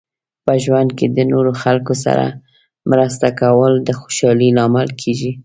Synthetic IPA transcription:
pəʒwand̪̚ked̪ənoɾoxalkosa̰ɾa̰ | mɾəst̪akawəld̪əxo̥ʃɑlilɑmɪlkʰeʒi

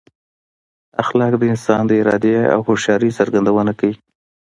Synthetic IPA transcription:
axlɑkd̪əɪnsɑnd̪əɪɾɑ̰d̪ea̰whoʃjɑɾisaɾɡand̪awənakawi

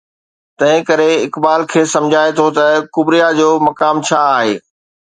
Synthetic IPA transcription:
t̪ɐ̃ɦɪ̃kɐɾeɪkbaːlkʰeːsɐ̃md͡ʑʱaːet̪ʰot̪ɐkʊbɾijad͡ʑoːmɐkaːmt͡ɕʰaːɦeː

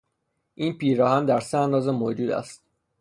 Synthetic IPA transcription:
ʔiːnpiːɾɒːhænd̪æɾseænd̪ɒːzemod͡ʒuːd̪æ̰st̪̚

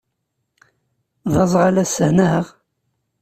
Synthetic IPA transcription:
ðˤɑzˤʁalæsəhnəʁ

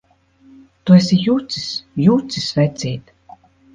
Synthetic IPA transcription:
t̪uesʲijut̪si̥sjut̪sisvɛt̪sʲiːt̪

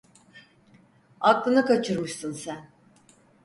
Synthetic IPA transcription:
aklˠɯnɯkʰat͡ʃʰɯɾmɯʃsɯnsæn

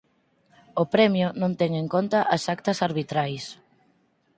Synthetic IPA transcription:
ʊpɾɛmjʊnõnt̪ɛŋeŋkont̪ɐʔasakt̪ɐsaɾβit̪ɾajs

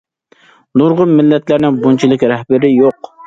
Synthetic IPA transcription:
nʊɾʁʊnmɪlːɛt̪læɾnɪŋbunt͡ʃʰilˠɨkʲɾɛhbɪɾɪjoq

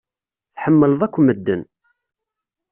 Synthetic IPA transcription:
θħəmːələðˤækʷːməd̪ːən

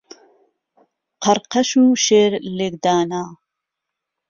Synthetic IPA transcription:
qʰɐɾqɐʃuːʃeːɾleɡd̪aːnaː

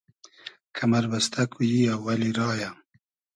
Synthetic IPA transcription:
kʰamaɾbast̪ʰakwujiawːaliɾɑːja

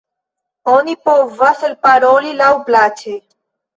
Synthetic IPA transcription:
onipoʋəsəlpaɾoːlilawplat͡ʃʰe

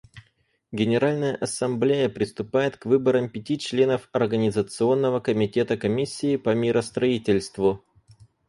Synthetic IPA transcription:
ɡʲɪnʲɪɾalʲnəjəʔɐsɐmblʲejəpɾʲɪst̪ʊpajɪt̪kvɨbəɾəmpʲɪtʲit͡ɕlʲe̞nəfɐrɡənʲɪzət̪sɨo̞nːəvəkəmʲɪtʲe̞t̪əkɐmʲisʲːɪːpəmʲiɾʔəst̪ɾɐitʲɪlʲst̪vʊ

